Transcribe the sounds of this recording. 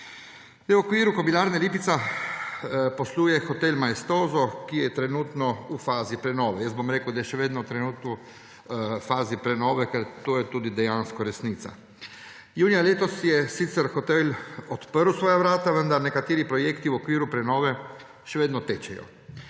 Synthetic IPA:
ɛuokʋiːɾukobilaːɾnɛliːpit̪sa | posluːjɛxot̪elmaest̪oːzɔkijɛjɛt̪ɾɛnuːt̪nɔufaːzipɾɛnoːʋɛjəst̪bomɾeːkəwd̪ajɛʃɛʋeːd̪nɔt̪ɾɛnuːt̪nɔ | faːzipɾɛnoːʋɛkɛɾt̪oːjɛt̪uːd̪id̪ɛjaːnskɔɾɛsniːt̪sa̰ | juːnijaleːt̪ɔsjɛsit̪sɛɾxot̪elot̪pəɾusʋoːjaʋɾaːt̪aʋənd̪aɾnɛkat̪eːɾipɾɔjeːkt̪iuokʋiːɾupɾɛnoːʋɛ | ʃɛʋeːd̪nɔt̪ɛt͡ʃɛjɔ̰

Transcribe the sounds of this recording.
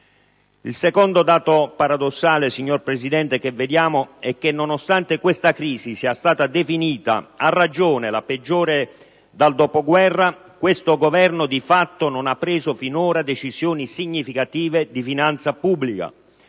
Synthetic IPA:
ilsekond̪od̪aːt̪opaɾad̪osːaːlesiɲːorpɾesid̪ɛnt̪ek̟evːed̪jaːmoɛk̟ːenːonost̪ant̪ekwest̪akɾiːzisiast̪aːt̪ad̪efiniːt̪a̰arːad͡ʒoːnelaped͡ʒːoːɾe | d̪ald̪opoɡwɛrːa | kwest̪oɡovɛrnʊd̪ifat̪ːononapːɾeːzofinoːɾad̪et͡ʃizjoːnisiɲːifikat̪iːved̪ifinant̪sapubːlika̰

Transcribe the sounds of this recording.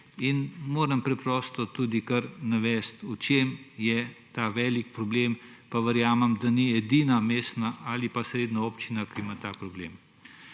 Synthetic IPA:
inmoːɾɐmpɾɛpɾɔːst̪ɔt̪uːd̪ikɐɾnaʋɛːst̪ut͡ʃemjɛt̪aʋɛːlikpɾɔbleːm | paʋəɾjaːmɛmd̪aniɛd̪iːnameːst̪naʔalipasɾeːd̪naoːpt͡ʃinakiimat̪aːpɾɔblḛːm

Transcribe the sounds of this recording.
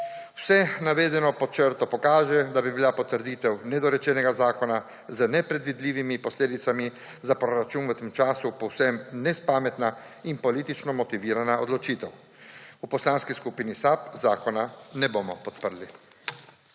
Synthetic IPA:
wsɛnaʋeːd̪ɛnɔpɔt͡ʃəɾt̪ɔpɔkaːʒɛd̪abibilapɔt̪əɾd̪iːt̪ɛwnɛd̪ɔɾɛt͡ʃɛnɛɡazaːkɔna | zənɛpɾɛd̪ʋid̪liːʋimipɔsleːd̪it̪sami | zapɾoɾat͡ʃuːnwət̪eːmt͡ʃaːsupɔwsɛmnɛspaːmɛt̪na | impɔliːt̪it͡ʃnɔmɔt̪iʋiːɾanaɔd̪lɔt͡ʃiːt̪ɛw | upɔslaːnskiskupinisapzaːkɔnanɛbomɔpɔt̪pəɾli

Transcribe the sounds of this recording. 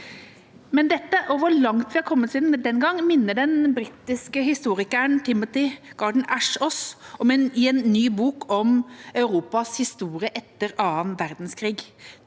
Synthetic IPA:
mɛnd̪ɛt̪ːəʔɔʋʊɭɑŋt̪ʋɪhɑɾkʰɔmːət̪siːd̪nd̪ɛnɡɑŋːmɪnːəɖɛnbɾɪːt̪ːɪskəhɪst̪uːɾɪkəəɳt̪ʰɪmːɔt̪ɪɡ̥ɑɖɳ̩æʂɔsɔmɛnɪɛːnːyːbuːkʰɔmɑœʉɾuːpɑshɪst̪uːɾɪəʔɛt̪ːəɾɑːənʋæɾd̪n̩skʰɾiːɡ

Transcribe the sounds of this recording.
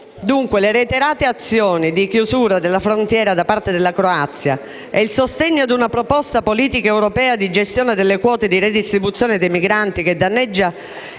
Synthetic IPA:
d̪uŋkweleɾet̪eɾaːt̪eat̪sːjɔːnid̪ikjuzuːɾad̪elːafɾont̪jɛːɾad̪apːart̪ed̪elːakɾoat̪sːja | ɛilsost̪eɲːoad̪unapɾopɔst̪apoliːt̪ikaɛwɾopɛːad̪id͡ʒest̪jɔːned̪elːekwɔːt̪ed̪ired̪ist̪ɾibut̪sːjɔːned̪ejmiɡɾant̪ik̟ed̪ːanːɛd͡ʒːa

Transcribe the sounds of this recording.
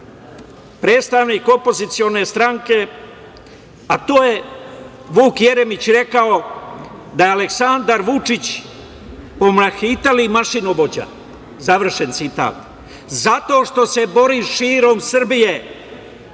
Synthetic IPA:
pɾe̞ːt̪st̪aʋniːko̞po̞zit̪sijo̞ne̞st̪ɾaŋke̞ | at̪oːje̞ | ʋuːkje̞ɾe̞mit͡ɕɾe̞kao̞ | d̪ajeale̞ksand̪aɾʋut͡ʂit͡ɕ | po̞mlaxit̪alimaʃinuʋo̞d͡ʑa̰ | zaʋr̩ʃe̞nt̪sit̪a̰ːt̪ | zat̪o̞ːʃt̪o̞se̞bo̞ɾiʃiːɾo̞msr̩bije̞

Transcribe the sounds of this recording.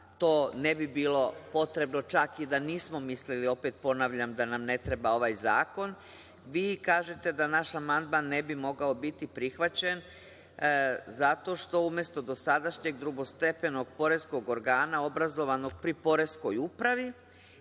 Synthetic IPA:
t̪o̞ːnebibiːlo̞po̞t̪ɾe̞bno̞t͡ʃakid̪aniːsmo̞mislilio̞pet̪̚po̞naːʋʎamd̪anamne̞t̪ɾebao̞ʋaːjzaːko̞n | ʋiːkaːʒe̞t̪e̞d̪anaʃamand̪manːebimo̞ɡao̞bit̪ipɾixʋat͡ɕe̞n | zat̪o̞ʃt̪o̞umje̞st̪o̞d̪o̞sad̪aʃɲe̞ɡd̪ɾuɡo̞st̪e̞pe̞no̞ɡpo̞ɾe̞skoɡo̞ɾɡaːnao̞bɾazo̞ʋano̞ɡ̚pɾipo̞ɾesko̞jupɾaʋi

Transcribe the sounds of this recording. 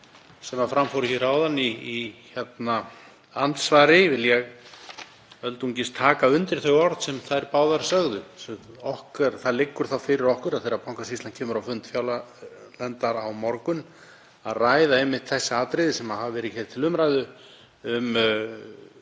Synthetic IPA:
sɛmaðfɾamfowɾɪçɛɾaːwðanːiːçɛt̪na | ant̪svaːɾɪvɪljɛɣ | œlt̪uɲcɪst̪ʰːaːkaʏnt̪ɪɾ̥θœɥɣɔɾt̪sɛmθaɛɾpaːwðaɾsœɣðʏsɔhkɛɾθaðlɪkːʏɾ̥θawfɪːɾɪɾɔhkʏɾaðθɛjɾapawŋ̥kasist̪lancʰɛːmʏɾawfʏnt̪fjaːwla | lɛnt̪aɾawmɔɾkʏn | aðraːjðaɛmːɪht̪θɛsːɪaːt̪ɾɪðɪsɛmaðhavavɛːɾɪçɛɾ̥t̪ʰɪlʏmɾajðʏ | ʏm

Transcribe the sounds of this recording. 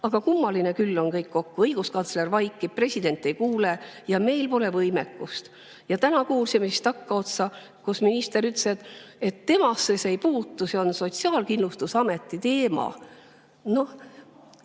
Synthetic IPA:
ɑɡ̥ɑkumːɑline̞kylːo̞nkɤjkːo̞kːuɤjɡ̥uskɑnt̪slervɑjkˑːipre̞sʲid̪e̞nt̪ːˑe̞jkuːlejɑme̞jlpo̞le̞vɤjmekˑːust̪ | jɑt̪ænɑkuːlsimesist̪ɑkːɑo̞t̪sɑ | kosminist̪e̞ɾyt̪ːˑse̞d̪e̞t̪ːe̞mɑsːesejpuːt̪ːuse̞o̞nso̞t̪siɑːlkinlust̪usɑme̞t̪ːˑit̪e̞ːmɑ̰ | no̞

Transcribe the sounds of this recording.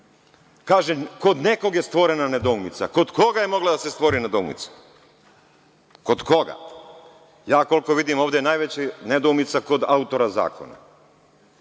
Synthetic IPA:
kaːʒeko̞d̪ne̞ko̞ɡjest̪ʋo̞ɾenaned̪omit̪sako̞d̪ko̞ɡajemo̞ɡlad̪asest̪ʋo̞ɾined̪omḭt̪sḁ | ko̞d̪ko̞ɡa̰ | jaːko̞lko̞ʋid̪imoːvd̪enajʋet͡ɕened̪oːmit̪sako̞d̪aut̪o̞ɾaza̰ːko̞̰na̰

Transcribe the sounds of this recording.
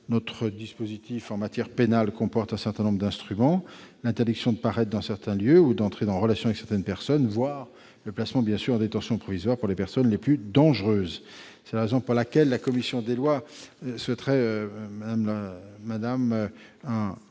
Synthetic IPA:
nɔt̪χəd̪ispozit̪ʰifɑ̃mat̪jɛʁpenalkɔ̃pɔʁt̪ɛ̃sɛʁt̪ɛ̃nɔ̃bʁəd̪ɛ̃st̪χymɑ̃lɛ̃t̪eʁd̪iksjɔ̃d̪əpaʁɛt̪̚d̪ɑ̃sɛʁt̪ɛ̃ljøud̪ɑ̃t̪χed̪ɑ̃ʁəlasjɔ̃avɛksɛʁt̪ɛnpɛʁsɔnvwaʁ | ləplasmɑ̃bjɛ̃syʁɑ̃d̪et̪ɑ̃sjɔ̃pχɔvizwaʁpuʁlepɛʁsɔnleplyd̪ɑ̃ʒʁøːz | sɛlaʁezɔ̃puʁlakʲɛlːakɔmisjɔ̃d̪elwaswɛt̪χɛømad̪amlaːad̪amɛ̃

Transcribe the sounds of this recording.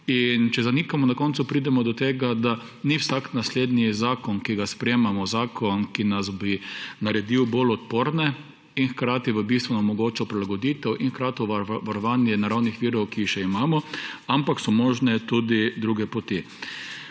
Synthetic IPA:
int͡ʃɛzanikamɔnakɔntsupɾid̪ɛmɔd̪ɔt̪eːɡad̪a | niwsaknasleːd̪nizaːkɔnkiɡaspɾɛjeːmamɔzaːkɔnkinazbinaɾɛd̪iwbolɔt̪poːɾnɛ | inxkɾaːt̪iʋəbist̪ʋunɐmɔɡoːt͡ʃɔpɾilaɡɔd̪iːt̪ɛwʔinxkɾaːt̪ɔʋaɾɔʋaːnjɛnaɾawnixʋiːɾɔwkiːxʃɛimaːmɔampaksɔmɔːʒnɛt̪ud̪id̪ɾuɡɛpɔt̪i

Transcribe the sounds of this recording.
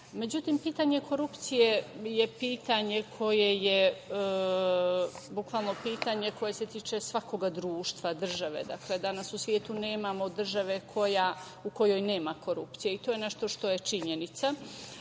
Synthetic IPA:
me̞d͡ʑut̪iːmpiːt̪aɲe̞kʰo̞ɾupt̪sije̞je̞piːt̪aɲe̞kʰo̞je̞je | bukʋalˠno̞piːt̪aɲeko̞jese̞t̪iːt͡ʃe̞sʋako̞ɡad̪ɾuːʃt̪ʋad̪r̩ʒaʋe̞̰d̪akle̞d̪anasusʋje̞ːt̪une̞ːmamo̞d̪r̩ʒaʋe̞kʰo̞ja | ukojo̞jne̞ːmako̞ɾupt̪sijeit̪o̞ːjene̞ʃt̪o̞ʃt̪oje̞t͡ʃiɲe̞nit̪sa

